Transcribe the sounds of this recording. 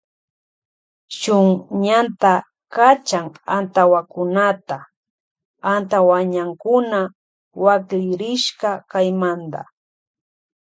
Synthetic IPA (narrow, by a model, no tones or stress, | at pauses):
ʃʊŋɲant̪a | kat͡ʃaŋant̪awakʊnat̪a | ant̪awaɲaŋkʊna | wakʎɪɾɪʃkakajmand̪a̰